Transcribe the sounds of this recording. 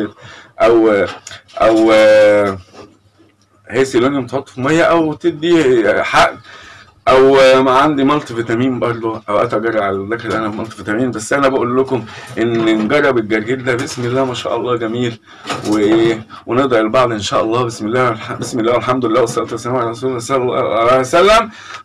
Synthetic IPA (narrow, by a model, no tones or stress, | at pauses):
ʔæw | ʔæw | heːsilːonjomt̪ħot̪ˤːfimæjːæʔæwt̪eb̚d̪iħaʔd̪ | ʔæwmæʕand̪imɑlt̪ˤefet̪æmiːmbɑɾˤd̪ˤoʔæwʔæ̰t̪æɡɑrˤɾˤːɑʕalæd̪æklʔænæfmɑlt̪eft̪æmiːmbæsːʔænæbæʔulːokomʔenːenɡɑrˤːɑbeɡɑɾˤɡeld̪æbesmelːæːmæʃæ̰ːʔɑlˤːɑːɡæmiːl | weʔeː | weneʔd̪ɑɾˤelbɑʕd̪ˤʔenʃæːʔɑlˤːɑːbesmelːæːbesmelːæːwelħamd̪olelːæːwɑsˤɑɾɑt̪wæsːæmæmʕalrˤːɑsuːlːsɑlesælːæm